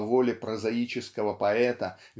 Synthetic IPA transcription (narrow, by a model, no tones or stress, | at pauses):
volʲɪpɾəzɐit͡ɕɪskəvəpɐɛt̪ə | vʲ